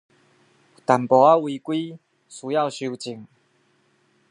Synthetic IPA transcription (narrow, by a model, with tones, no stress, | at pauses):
t̪a˨˩mpɔ˨˩a˦˥wi˧kwiː˥ | su˨˧˦ja˥˧wɕi˧wt͡ɕi˨˩ŋ